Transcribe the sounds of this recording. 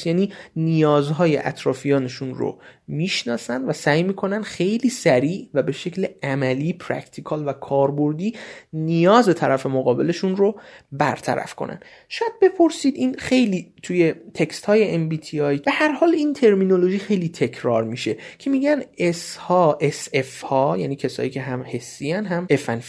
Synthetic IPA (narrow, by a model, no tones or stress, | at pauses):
jæːniːnijɒːzɦɒːjḛʔæ̰t̪ʰɾɒːfijɒːneʃunɾo̰miːʃnɒːsænd̪væsæjmiːkʰo̞nænd̪xe̞jliːsæɾiːʔvæbe̞ʃe̞clæmæliːpʰɾæ̰kt̪ʰikʰɒːlvækʰɒːɾboɾd̪iːnijɒːzet̪ʰæɾæfe̞moɣɒːbe̞le̞ʃunrobæɾt̪ʰæ̰ɾæ̰fkʰo̰nʔæ̰nd̪̥ | ʃɒːjæd̪̚be̞pʰo̞ɾsiːd̪iːnxe̞jliːt̪ʰuje̞t̪ʰekst̪hɒːjeembiːt̪ʰiɒjb̥e̞hæɾhɒːliːnt̪ʰe̞ɾmino̞lo̞ʒiːxejliːt̪ʰe̞cʰɾɒːɾmiʃe̞cʰe̞miːɟæneshɒːʔesefhɒːjæ̰ːniːcʰesɒ̰ːjiːcʰe̞ɦæmhe̞sːijænɦæmefæn